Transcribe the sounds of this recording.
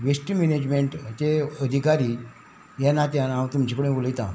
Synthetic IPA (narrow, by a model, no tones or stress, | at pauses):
ʋesʈimened͡ʑmeɳʈt͡ɕeəd̪ʱikaɾiː | janːat̪janãwt̪umt͡ɕikəɽẽʋoləjt̪ã̰